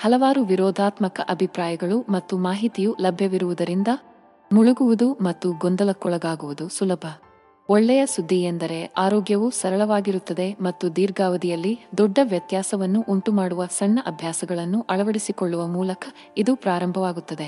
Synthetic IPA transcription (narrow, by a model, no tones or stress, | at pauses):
hɐlɐʋaːɾuʋiɾɔːd̪ʱaːt̪mɐkɐʔɐbʱipɾaːjɐɡɐɭumɐt̪ːumaːɦit̪ijulɐbʱjɐʋiɾuʋud̪ɐɾind̪ɐ | muɭuɡuʋud̪umɐt̪ːuɡɔnd̪ɐlɐkːɔɭɐɡaːɡuʋud̪usulɐbʱɐ | ɔɭːɛjɐsud̪ʱːiend̪ɐɾe̞aːɾɔːɡjɐʋusɐɾɐɭɐʋaːɡiɾut̪ːɐd̪e̞mɐt̪ːud̪iːɾɡaːʋɐd̪ijɐlːid̪ɔɖːɐʋjɐt̪jaːsɐʋɐnːuʔuɳʈumaːɽuʋɐsɐnːɐʔɐbʱjaːsɐɡɐɭɐnːuʔɐɭɐʋɐɽisikoɭːuʋɐmuːlɐkɐ | id̪upɾaːɾɐmbʱɐʋaːɡut̪ːɐd̪e̞